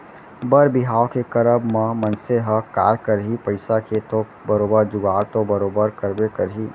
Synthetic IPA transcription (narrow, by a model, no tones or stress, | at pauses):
bəɾbɪɦaːokekɐɾəbmãmɐnseɦəkaːɾkəɾɦipəɪsaket̪o | bəɾoːbəɾd͡ʒʊɡaːɾt̪obəɾoːbəɾkəɾbekɐɾɦiː